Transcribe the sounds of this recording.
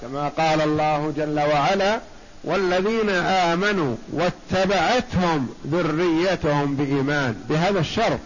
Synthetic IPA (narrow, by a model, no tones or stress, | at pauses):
kamaqɑːlalˤːɑːhd͡ʒalːawaʕalaː | wʔalːaðiːnaʔaːmanuːwat̪ːabaʕat̪hʊmðʊrːɪjːat̪ʊhʊmbɪʔiːmaːnbɪɦaːðaʃːɑɾˤt̪̚ˤ